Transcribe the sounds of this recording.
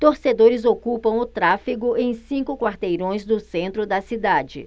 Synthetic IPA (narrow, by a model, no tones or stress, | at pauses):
t̪oɾsed̪oɾɪzokupɐ̃w̃ʊt̪ɾafiɡʊẽj̃sĩŋkʊkwaɾt̪ejɾõj̃zd̪ʊsẽnt̪ɾʊd̪ɐsid̪ad͡ʒɪ̰